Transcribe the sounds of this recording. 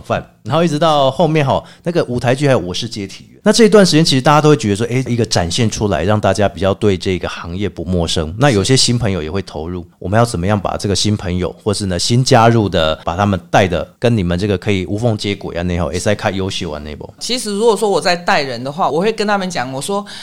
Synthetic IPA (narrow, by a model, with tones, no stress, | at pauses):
fa˥˨nna˧˦xi˥˩ʈ͡ʂɻ̩˧t̪ɑ˥˧ʊxo˥˧ʊmjɛ˥˨nxɑ˨˩ʊna˥˩ɡə˨ʔu˨˩t̪ʰa˧˥ɪt͡ɕy˥˩a˧˥ɪjo˨˩wɔ˨˩ʂɻ̩˥˧t͡ɕjɛ˥t̪ʰi˨˩˦na˥˧ʈ͡ʂɤ˥˩i˧t̪wa˥nʂɻ̩˧˥jɛ˥˧nt͡ɕʰi˧˥ɻ̩˧t̪a˥˩t͡ɕja˥t̪o˥ʊwe˥˩t͡ɕɥɛ˧d̪ə˧ʂwɔ˥ʔe˧˥˩ɪ˥˧˨i˧˥ɡə˧ʈ͡ʂa˨˩nɕjɛ˥˩nʈ͡ʂʰu˥la̰˧˦ɪɻɑ˥˧ŋt̪a˥˩t͡ɕja˦pi˨˩t͡ɕjɑ˥˧ʊt̪we˥˧ɪʈ͡ʂɤ˥˩i˧˥ɡə˩xɑ˧˥ŋjɛ˥˩pu˧˦mwɔ˥˩ʂə˦˥ŋna˥˩jo˨˩ʊɕjɛ˥ɕi˥npʰə˧˥ŋjo˨ʊjɛ˨˩xwe˥˩ɪt̪ʰo˧˥ʊɻu˥˩wɔ˨˩mə˨˦jɑ˥˩ʊt͡sə˨˩mə˦jɑ˥˩ŋpa̰˨˩ʈ͡ʂɤ˥˩ɡə˩ɕi˦˥npʰə˧˦ŋjo˨˩˦ʊxwɔ˥˧ʂɻ̩˥˩nə˨ɕi˦˥nt͡ɕja˦ɻu˥˩d̪ə˩pa˨˩t̪ʰa˥mə˨nt̪a˥˩ɪd̪ə̰˩kə˦ni˨˩mə˨nʈ͡ʂɤ˥˩ɡə˩kʰɤ˧˥i˨˩ʔu˧˥fo˥˧ŋt͡ɕjɛ˥kwḛ˨˩ja̰˧˦ne˥˧ɪxo˥˩ḛ˨˩t͡sa˥˩ɪkʰa˥˩jo˧˥ʊɕi˧˥˩wa̰˨˦ne˥˩ɪbo̰˨˩˦t͡ɕʰi˧˥ʂɻ̩˧˥ɻu˧˥kwɔ˨˩ʂwɔ˥wɔ˨˩t͡sa˥˧ɪt̪a˥˩ɪɻə˧˦nd̪ə˨xwa˥˨wɔ˨˩xwe˥˩ɪkə˥nt̪ʰa˥mə˨nt͡ɕjɑ˨˩˦ŋwɔ˨˩ʂwɔ˦˥